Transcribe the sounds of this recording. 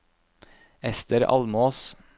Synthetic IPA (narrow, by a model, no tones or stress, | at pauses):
ɛst̪əɾɑ̰lmoːs